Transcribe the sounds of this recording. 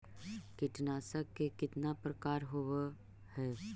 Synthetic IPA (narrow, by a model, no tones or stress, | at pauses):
kɪʈnaːsəkːekɪt̪napɾəkaːɾɦoʋe | hɛː